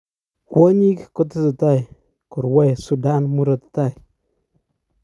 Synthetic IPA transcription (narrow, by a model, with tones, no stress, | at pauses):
kwɔ˦ɲi˦kko˦t̬ɪ˦tɪ˨ta˦j | ku˨ɾwɛ˦jsu˨da˦nmu˦ɾɔ˨tta˦˨j